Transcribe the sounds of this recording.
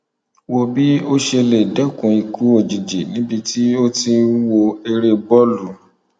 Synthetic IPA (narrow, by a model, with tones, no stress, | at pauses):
wo˧bi˦o˦ʃe˧le˨dɛ˨˦kũ˧˦i˨˧ku˨˦o˦˨d͡ʒi˨d͡ʒe˨nĩ˦bi˧ti˦o˦ti˧wo˧e˧ɾe˧bɔ˦lu˨